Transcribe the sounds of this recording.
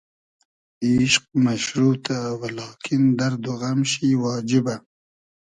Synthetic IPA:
iʃq̚maʃɾuːt̪awalɑːkʰind̪aɾd̪uɣamʃiwɑːd͡ʒɪba

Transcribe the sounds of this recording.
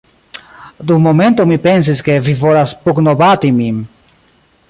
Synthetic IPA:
d̪umoment̪omipens̬iskevivoɾaspuknobat̪imim

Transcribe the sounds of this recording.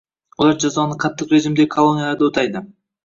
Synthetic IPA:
wolˠɑɾd͡ʒɑzonəqʰɑt̪ːəqɾeʒimd̪ekʰolˠo̞nʲijalˠɑɾd̪ɪot̪ɑjd̪ə

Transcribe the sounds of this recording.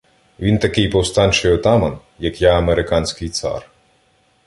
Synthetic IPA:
ʋʲint̪ɐkɪjpɔwst̪ɑnʲt͡ʃɪjɔt̪ɑmɐn | jɐkjaɐmeɾɪkɑnʲsʲkɪjt̪sɑ̰r

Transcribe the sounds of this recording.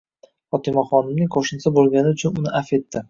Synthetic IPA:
fɒt̪ɪmɒχɒnɪmnɪŋqʰoʃɪnsabolˠɡʲanɪʊt͡ʃʰʊnʊnɪʔafe̞t̪ːɪ

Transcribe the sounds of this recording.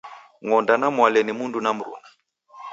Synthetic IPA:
ŋɔndanamwalɛnimundunam̩ɾṵna

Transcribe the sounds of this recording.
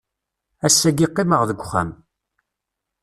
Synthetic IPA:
æsːæɡiqːɪməʁðəɡʷχæ̰m

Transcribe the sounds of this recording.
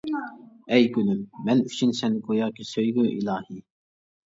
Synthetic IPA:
ɛjɡʲylymːɛnyt͡ʃʰynsɛnɪkʰojɑːkʰʲisøjɡyʔilˠɑːhi

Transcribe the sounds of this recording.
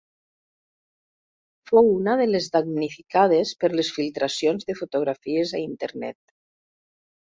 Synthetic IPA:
fowunaðəlezðaɡnifikað̞espəɾlesfilˠt̪ɾasionzðəfut̪uɣ̞ɾafiezaint̪eɾnɛ̰t̪

